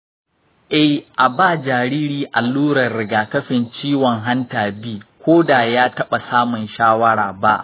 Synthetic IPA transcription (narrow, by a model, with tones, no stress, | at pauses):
ʔɛ˦hʔa˨baː˦˨d͡ʒaː˨ɾiː˦ɾiː˦ʔa˨lːuː˦ɾɐ˨rːɪ˨ɡaː˨kɐ˦ɸɪ˨nt͡ʃiː˦wɔ˨ŋɦa˦ntaː˨biː˦kʷoː˦da˨jaː˦tɐ˦ɓa˨saː˦mʊ˨nʃaː˦wɐ˦ɽaː˨ba̰˦ʔ